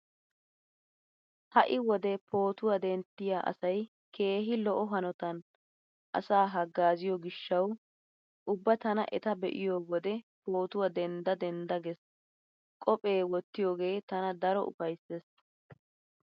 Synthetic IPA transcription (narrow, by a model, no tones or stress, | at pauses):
hɐʔɪwɔd̪ɛpo̞ːt̪ʊwɐd̪ɛnt̪ːɪjaːʔɐ̰sɐj | ke̞ːɦɪlɔʔɔɦɐnɔt̪ɐn | ʔɐ̰saːɦɐɡːaːzɪjɔɡɪʃːɐw | ʔʊbːɐt̪ɐnɐ̰ʔɛ̰t̪ɐbɛʔɪjowɔd̪ɛpo̞ːt̪ʊwɐd̪ɛnd̪ɐd̪ɛnd̪ɐɡɛs | kʼɔpʼe̞ːwɔt̪ːɪjoːɡe̞ːt̪ɐnɐd̪ɐɾɔʔʊ̰fɐjsːes